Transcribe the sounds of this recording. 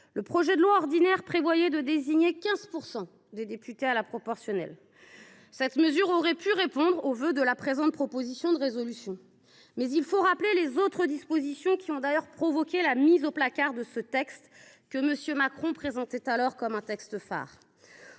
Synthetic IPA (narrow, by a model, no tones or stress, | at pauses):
ləpχɔʒɛd̪əlwaɔʁd̪inɛʁpχevwajɛd̪əd̪eziɲekʲɛ̃zpuʁsɑ̃ | d̪ed̪epyt̪ealapχɔpɔʁsjɔnɛ̰l | sɛt̪məzyʁɔʁɛpʰyʁepɔ̃d̪ʁovød̪əlapχezɑ̃t̪̚pχɔpozisjɔ̃d̪əʁezɔlysjɔ̃ | mɛzilfoʁaplelezot̪χəd̪ispozisjɔ̃kʲiɔ̃d̪ajœʁpχɔvɔkʲelamizoplakaʁd̪əsət̪ɛkst̪ | kəməsjømakχɔ̃pχezɑ̃t̪ɛt̪alɔʁkɔmɛ̃t̪ɛkst̪əfa̰ːʁ